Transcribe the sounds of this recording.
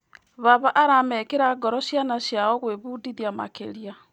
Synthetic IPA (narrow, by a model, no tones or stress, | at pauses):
βaβaʔaɾamɛkeɾaɡɔɾɔʃjanaʃjaɔɣweβudiðjama̰kḛɾia